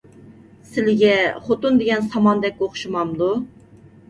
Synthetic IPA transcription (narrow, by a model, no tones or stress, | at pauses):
sɪlɪɡʲɛχot̪und̪eɡʲɛnsɑmɑnd̪ɛk̚ʲːoχʃumɑmd̪u